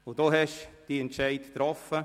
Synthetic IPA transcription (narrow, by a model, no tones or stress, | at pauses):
ʊd̥oːɦɛʃd̥iɛntʃɛɪtt̪ɾɔfə